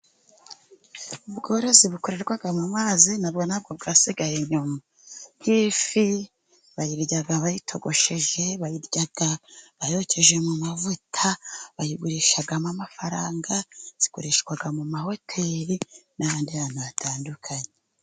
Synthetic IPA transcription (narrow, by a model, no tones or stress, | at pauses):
ubɡo̞ːɾo̞ziβuko̞ɾe̞ɾɡwaɡamumaːzinab̚ɡo̞nab̚ɡo̞bɡaːsiɡajeɲuma | nhiːfi | βajiɾɟaɡaβajitʰo̞ɡo̞ʃe̞ʒe̞βajiɾɟaɡaβajocʰe̞ʒe̞mumavutʰaβajiɡuɾiʃaɡamamafaɾaːŋɡaz̥i̥koɾeʃɡwaɡamumaho̞tʰe̞ɾinaβaːndihaːn̥huβatʰaːndukʰaɲe